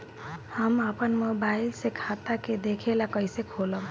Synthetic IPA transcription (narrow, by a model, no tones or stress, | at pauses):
həməpənmobaɪilsekʰat̪aked̪ekʰelakəɪsekʰoləb